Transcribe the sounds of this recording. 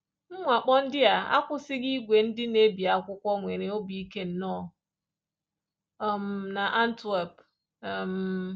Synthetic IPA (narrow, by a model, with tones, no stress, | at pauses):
ŋ͡m̩˦ŋʷa˨k͡pɔ˦n̩˦dɪ˦a˨a̰˦kʷʊ˦sɪ˦ɡi˦ɡʷe˨n̩˦dɪ˦ne˦bi˨a˨kʷʊ˦kʷɔ˦ŋʷe˨ɾe˨o˦bi˨i˦ke˦n̩˨˦nɔ˦˨ | m˨na˨ʔa˦n̩˦te˨p | m̩˨